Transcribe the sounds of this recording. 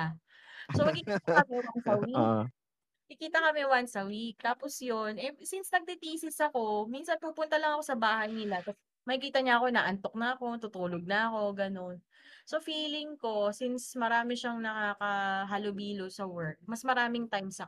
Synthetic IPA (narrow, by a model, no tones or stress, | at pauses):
somɐɡkɪkiːt̪ɐkɐmɛwansɐwik | ɐkɪkiːt̪ɐkɐmɛwansɐwik̚t̪aːpo̞sjonɛsinsnɐɡ̚t̪ɪt̪iːsɪsɐko̞minsɐnpuːpʊnt̪ɐlɐŋɐko̞sɐbaːhɐjnɪlat̪ɐs | mɐhɪkiːt̪ɐɲaʔɐko̞na̰ːʔɐnt̪o̞k̚nɐʔɐko̞t̪ut̪uːloɡ̚nɐʔɐko̞ɡɐno̞n | so̞fiːlɪŋko̞sinsmɐɾaːmɪʃaŋnɐkaːkɐɦɐlobiːlosɐwɛɹk̚mɐsmɐɾaːmɪŋt̪ajmsɐ